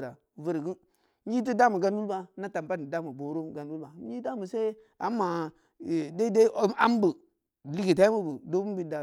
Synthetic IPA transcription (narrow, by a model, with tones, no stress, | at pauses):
ɾa˨və˦ɾi˨ɡu˦n | ɲi˦t̬i˦da˦mu˨ɡa˦n˦wu˦lba˦na˦ta˨m˨pa˦n˨da˦mu˨bo˨ɾo˦ɡa˨n˦wu˦lba˨˦i˦da˦mu˨se˦ | a˨˦mːa˨ | de˦de˦a˦mbu˨ | li˦ɡi˨ta˦i˦mu˦bu˨do˦bu˦m˦bi˦˨da˨